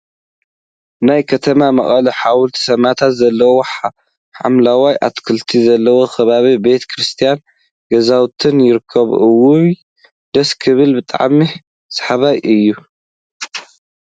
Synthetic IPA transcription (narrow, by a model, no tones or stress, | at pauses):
najkʰɐt̪ʰɐmamɐχʼɐliħawʊlt̪ʰi̥sɐmat̪ʰat̪zɐlːɐwoħa | ħa̰mlawajʔa̰t̪kʰɨlt̪ʰizɐlːɐwo̞xʰɐβaβibe̞t̪ʰkʰɾɨst̪ʰijan | ɡɐzawt̪ʰɨnjɪɾɨkʰːɐβɨwu | d̪ɐskʰɨβɨlbɨt̪ʼa̰ʕmi | sħaβajʔɨjːu